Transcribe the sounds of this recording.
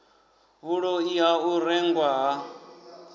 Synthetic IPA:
βuɺɔiɦauɾɛŋɡwaɦa

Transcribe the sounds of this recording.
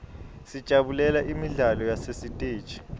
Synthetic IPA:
si̥t͡ʃʼaɓulɛlaʔimiɮalɔjasesitʼe̥ːt͡ʃʼi̥

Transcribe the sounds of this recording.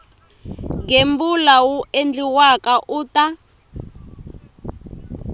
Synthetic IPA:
ŋembulawuʔend͡ɮiwakaʔuːta

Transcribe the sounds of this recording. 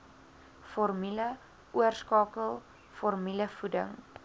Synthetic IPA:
fɔrmilə | uərskɑːkəlˠ | fɔrmiləfudə̰ŋ

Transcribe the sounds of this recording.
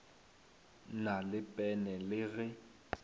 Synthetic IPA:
nalɪpʼɛnɛlɪɣɛ

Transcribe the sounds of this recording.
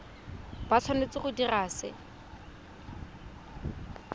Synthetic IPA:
b̥at͡ɬʰanet͡sɪχʊdiraːsɪ̰

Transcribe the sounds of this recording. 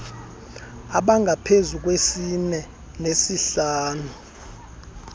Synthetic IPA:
aɓaŋɡʱapʰezuk̬wesinɛ | nesiɬaːnu

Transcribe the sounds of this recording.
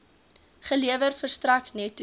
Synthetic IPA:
χəliəvərfərstrɐknɛtːu

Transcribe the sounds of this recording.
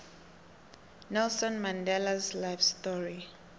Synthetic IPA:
nɛlsɔ̃nmãndɛlazlajfstɔɹi

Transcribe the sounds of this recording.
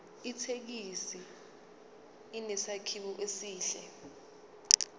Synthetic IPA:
itʰek̬isi | nɛsakʰiɓuʔesiːɬɛ̰

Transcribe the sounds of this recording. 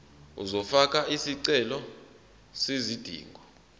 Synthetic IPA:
ṵzɔfak̬ʼaʔisiǀɛlɔ | sezid̥ʱḭːŋɡʱɔ

